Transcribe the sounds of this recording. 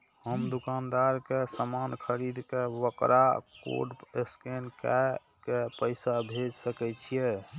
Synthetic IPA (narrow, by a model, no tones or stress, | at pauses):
həmd̪ukand̪aɾkesəmankʰəɾid̪kebəkɾʔako̰ɖeskenka | kepəɪsabʱed͡ʒsəkɛt͡ʃʰije